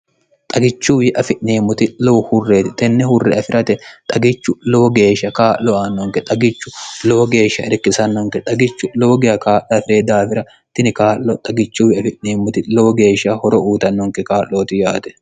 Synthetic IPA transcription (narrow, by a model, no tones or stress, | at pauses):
t̪ʼɐɡɪt͡ʃːuːjɪʔɐfɪʔneːmʊt̪ɪlowhʊrːeːt̪ɪt̪ʼɛnːɛhʊrːɛʔɐfɪɾʔɐt̪ɛt̪ʼɐɡɪt͡ʃːʊloːɡe̞ːʃːɐkaːʔːɔaːnːɔŋkɛt̪ʼɐɡɪt͡ʃːʊloːɡe̞ːʃːɐʔɛɾkːɪsɐnːɔŋkɛt̪ʼɐɡɪt͡ʃːʊloːɡɪjɐkaːʔɐfɪɾeːd̪aːfɪɾɐ | t̪ɪnɪkaːʔːɔt̪ʼɐɡɪt͡ʃːuːjɪɐfɪʔneːmʊt̪ɪloːɡe̞ːʃɐhɔɾɔʔuːt̪ɐnːɔŋkɛkaːʔːoːt̪ɪjaːt̪ɛ̥